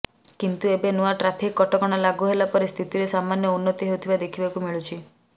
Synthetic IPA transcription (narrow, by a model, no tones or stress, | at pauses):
kint̪uebenuaʈɾapʰikːɔʈɔkɔɽ̃alaɡuɦelapɔɾist̪ʰit̪iɾesamanjɔunːɔt̪iɦewt̪ʰibad̪ekʰibakumiɭut͡ʃʰi